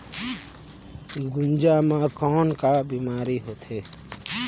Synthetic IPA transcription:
ɡʊnd͡ʒaːmãːkɔːnkaːbiːmaːɾiːɦoːt̪ʰeː

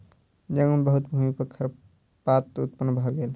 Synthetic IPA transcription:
d͡ʒəŋunbəɦut̪bʱumipəkʰːəɾ | pat̪ːut̪̚pənːbʱəɡeːl

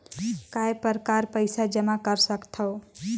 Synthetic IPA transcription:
kaepəɾkaɾpəɪsad͡ʒəmakəɾsəkt̪ʰəo

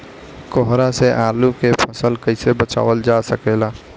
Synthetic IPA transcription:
kɔɦɾaseʔaːlukepʰəsəlkəɪsebət͡ʃa̰ːʋəld͡ʒasəkeːlaː

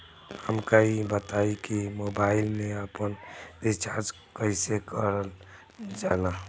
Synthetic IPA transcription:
həmkaibət̪aikimobaɪlmẽəpənɪt͡ʃaɾd͡ʒ | kəɪsekəɾəl | d͡ʒala

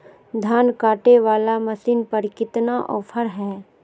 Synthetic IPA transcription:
d̪ʱaːnkaːʈeʋaːlamɐsiːnpɐɾkɪt̪naʔɔːpʰəɾɦɛː

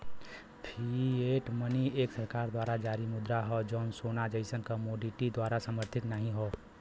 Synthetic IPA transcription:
pʰieːʈmənieːksəɾkaːɾd̪waːɾad͡ʒaːɾimʊd̪ɾaɦɔd͡ʒɔːnsoːnad͡ʒəɪsənkəmoːɖiʈid̪waːɾasəməɾt̪ʰɪt̪nəɦĩɦoː

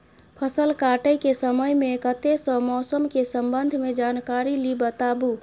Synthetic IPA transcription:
pʰəsəlkaʈəjkesəməjmekət̪esə̃mɔsəmkesəmbənd̪ʱmed͡ʒankaɾilibət̪abu

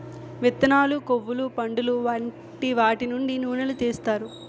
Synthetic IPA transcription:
ʋit̪ːɐnaːlukoʋːulupɐɳɖuluʋɐɳ | ʈiʋaːʈinuɳɖinuːnɐlut̪iːst̪aːɾu

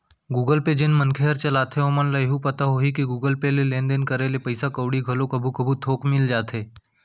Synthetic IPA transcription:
ɡuːɡəlped͡ʒɪnmɐnkʰeɦɐɾt͡ʃɐlaːt̪ʰẽoːmənləjɦupɐt̪aɦoːɦikiɡuːɡəlpelelẽːnd̪enkɐɾeːlepɐɪsakəʊɽiɡʱɐlõkɐbʱukɐbʱut̪ʰoːkmɪld͡ʒaːt̪eː

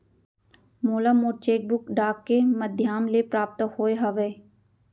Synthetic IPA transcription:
moːlaːmoːɾt͡ʃeːk̚bʊkɖaːkːeməd̪ʱjaːmlepɾaːp̚t̪hoːeɦəʋeː

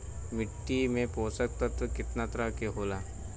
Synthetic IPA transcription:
mɪʈːimẽpoːsək̚t̪ɐt̪ʋəkɪt̪nat̪ɾakeɦoːlaː

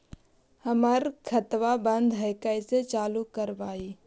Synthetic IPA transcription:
həməɾkʰət̪ʋabə̃nd̪ʱɦəɪkəɪset͡ʃaːlukəɾʋaːiː

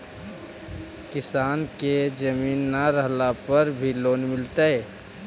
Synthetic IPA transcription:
kɪsaːnked͡ʒəmiːnːaɾəɦlapəɾbʱiloːnmɪlt̪aɦɛː

